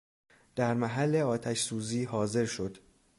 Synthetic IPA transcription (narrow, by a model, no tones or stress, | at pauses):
d̪̥æɾmæɦælːe̞ɒːt̪ʰæʃsuːziːɦɒːze̞ɾʃo̞d̪̥